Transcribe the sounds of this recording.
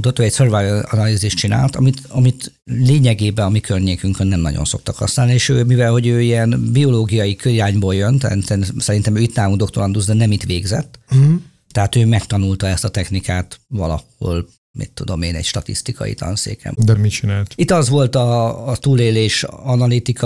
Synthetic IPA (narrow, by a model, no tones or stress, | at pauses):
ut̪ot̪oːɛcsørvajvɒnɒliziʃt͡ʃina̰ːlt̪ɒmit̪ɒmit̪ | leːɲɛɡeːbɛɒmikʰørɲeːkyŋknːɛmnɒ̰ɟo̞̰nso̞̰k̚t̪ɒkhɒ̰snaːlnieːʃøːmivɛlho̞ɟøːijɛnbio̞loːɡijɒjikøɾiɾaːɲboːljønt̪ɛ̰nsɛnsɛɾint̪ɛmøːit̪naːvuŋɡd̪o̞kt̪olɒnd̪uzd̪ɛnɛmit̪ʋeːɡzɛ̰t̪ː | ɛɦaːt̪øːmɛkt̪ɒnult̪ɒɛst̪ɒt̪ɛxnikaːt̪ʋɒlɒ̰ho̞̰l | mḭt̪ːud̪o̞meːnɛ̰ɟʃt̪ɒt̪ḭst̪ikʰɒ̰jḭt̪ɒ̰nsḛːkɛ̰md̪ɛmit͡ʃinaːlt̪it̪ːɒzʋo̞lt̪ɒːt̪uːleːleːʃɒnɒlit̪ikʰɒ